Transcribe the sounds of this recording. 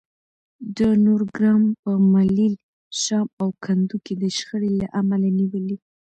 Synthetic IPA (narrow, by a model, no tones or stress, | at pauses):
d̪ənoɾɡɾɑmpəmalil | ʃɑmawkʰand̪uked̪əʃxəɽelaʔamalaniwəli